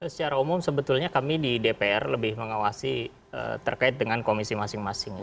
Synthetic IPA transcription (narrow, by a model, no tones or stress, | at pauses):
sə̥t͡ʃaɾaumʊmsəbət̪ulɲakamididepeɛrləbɪhməŋawasi | ə̰t̪ərkaɪt̪̚dəŋankomisimasɪŋmasɪŋ